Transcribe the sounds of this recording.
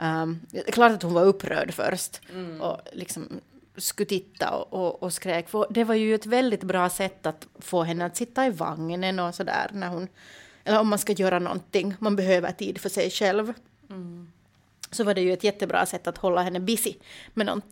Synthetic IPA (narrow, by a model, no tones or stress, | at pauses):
ɛkʰlɑːʈ̪at̪huʊnvaɾɵpːɾœ̰ːɖfœ̰ɾst̪ʔɔlɪksɔmskɵt̪ʰɪt̪ːa̰ɔ̰ʔɔːskɾeːkfɔd̪ɛvaɾjɵɛt̪vɛld̪ɪt̪bɾɑːsɛt̪ːat̪foːɦɛnːəat̪sɪt̪ːaiva̰ŋːnənɔsɔd̪æ̰ːɾnæɾhʊnʔɛlːəɾɔmːanskajøːɾanɔ̰nt̪ːɪŋːmanbɛɦøːvə̰ʈʰiːd̪fœʂɛjʂɛlv | sɔvaɖɛjɵɛt̪jɛt̪ːəbɾɑ̰ːsɛt̪ːat̪hɔlːaɦɛnːəbɪsɪmɛnɔ̰nt̪